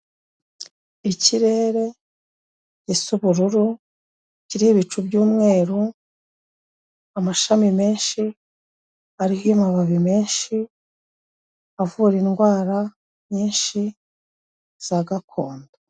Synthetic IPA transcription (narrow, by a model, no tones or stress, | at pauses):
iciɾe̞ːɾe̞ | ɟisuβuɾuɾu | ciɾiheβit͡ʃubɟuːmŋe̞ːɾu | amaʃamime̞ːnʃi | aɾihojumaβaβime̞ːnʃi | avuːɾinɡwaːɾa | ɲɲiːnʃi | z̥aɡakʰoːnda